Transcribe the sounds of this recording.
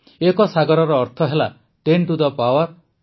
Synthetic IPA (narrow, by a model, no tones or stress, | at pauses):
ekɔsaɡɔɾɔɾɔːɾt̪ʰɔɦela | ʈeɳʈud̪ɔpawɔɾ